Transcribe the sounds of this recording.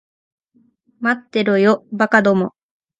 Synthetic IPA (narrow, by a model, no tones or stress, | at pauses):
mat̪ːe̞ɾojobakad̪o̞mo